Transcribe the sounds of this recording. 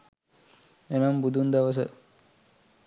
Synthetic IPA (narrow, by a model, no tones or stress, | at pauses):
enɐmbud̪ʱund̪ɐʋɐs̬ɐ̰